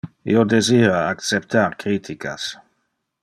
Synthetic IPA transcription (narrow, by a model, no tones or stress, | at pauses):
ḭod̪eziːɾaakt͡sep̚t̪aɾkɾiːt̪ʰikʰa̰s